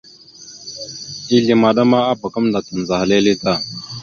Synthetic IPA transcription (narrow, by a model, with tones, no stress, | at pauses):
i˦ɮi˨ma˨ɗa˦ma˦a˦ba˨kə˦mda˨tə˨n˨za˨ha˨le˦li˦ta˦˨